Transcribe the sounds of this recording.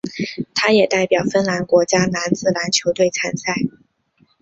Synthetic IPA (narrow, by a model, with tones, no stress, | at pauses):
t̪ʰa˥jɛ˨˩t̪a˥˩ɪpjɑ˨˩ʊfə˥nla˧˥nkwɔ˧˥t͡ɕja˥na˧˥nt͡sɹ̩˥˩la˧˥nt͡ɕʰjo˧˥ʊt̪we˥˩ɪt͡sʰa˧˥nsa˥˩ɪ